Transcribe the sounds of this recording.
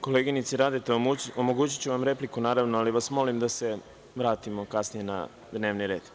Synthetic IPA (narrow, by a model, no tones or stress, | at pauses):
ko̞leɡinit̪siɾaːd̪et̪eomoɡuːt͡ɕi̥t͡ɕuʋamɾe̞plikunaːɾaʋnoaliʋasmo̞limd̪ase̞ | ʋɾaːt̪imo̞kasnije̞na̰ | d̪ne̞ːʋniɾe̞ːd̪